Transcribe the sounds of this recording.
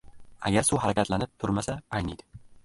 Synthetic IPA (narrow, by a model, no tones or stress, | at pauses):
a̰ɡʲaɾsʊɦaɾakʲat̪ʰlanɪp̚t̪ʰʊɾmasaajnijd̪ɪ